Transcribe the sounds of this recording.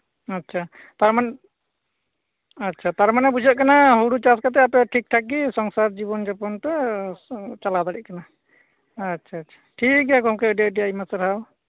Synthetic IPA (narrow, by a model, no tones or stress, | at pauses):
ətːt͡ʃʰa | t̪aɾman | ətːʃʰat̪aɾmanɛbud͡ʒʱaʔ̚kanaɦuɽut͡ʃaskat̪̬ɛapɛʈʰik̚ʈʰak̚ɡisɔŋsaɾd͡ʒibɔnd͡ʒɔpɔnt̪ɛ | t͡ʃalad̪aɽiʔ̚kanaː | tːʃʰaːtːʃʰḁʈʰikɦɛkɔmkɛəɖaɖiajmasəɾɦaw